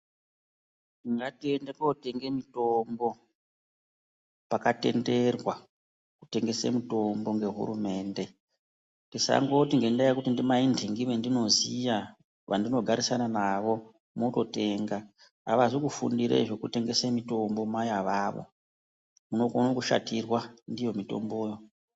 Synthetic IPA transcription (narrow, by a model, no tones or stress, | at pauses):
niŋɡatiendekoute̞ŋɡe̞mito̞mbo̞ | pakate̞̰nde̞rwa | ku̥te̞ŋɡe̞sḛmito̞mbo̞ŋɡe̞ɦṵɾume̞ːnde̞ | ndisa̰ŋɡot̬iŋɡe̞ndajakutindimaindʱiŋɡiʋendino̞zija | ʋandino̞ɡʱaɾisananaʋo̞ | moto̞te̞ŋɡaː | ʋaʐikufṵndiɾḛʐo̞kute̞ŋɡe̞semito̞mbo̞majaʋaːʋo̞̰ | muno̞konokuʃa̰tirwandijo̞mito̰mbo̞ːjo̞